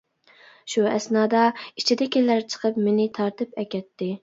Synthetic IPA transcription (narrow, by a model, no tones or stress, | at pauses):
ʃuɛsnɑːd̪ɑit͡ʃʰid̪ɛkʲelːæɾt͡ʃʰə̥qʰəpmenɪt̪ʰɑɾt̪ɨpɛkʲɛt̪ʰːɪ